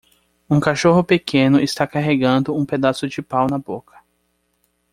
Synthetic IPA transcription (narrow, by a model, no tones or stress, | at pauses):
ũkaʃoɦʊpekʰẽnʊɪst̪akaɦeɡɐ̃nd̪ʊũped̪asʊd͡ʒɪpawnɐbokɐ̥